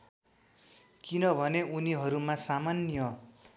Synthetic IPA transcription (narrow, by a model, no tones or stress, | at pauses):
kinʌbʱʌneuniɦʌɾumasamanjʌ